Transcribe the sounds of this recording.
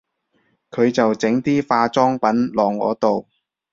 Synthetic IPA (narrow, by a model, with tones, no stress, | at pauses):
kʰɵ˨˧ɥt͡sɐ˨wt͡sɪ˨˥ŋt̪iː˥faː˧t͡sɔː˥ŋpɐ˨˥nlɔː˨ŋːɔ̰ː˨˧t̪o˨w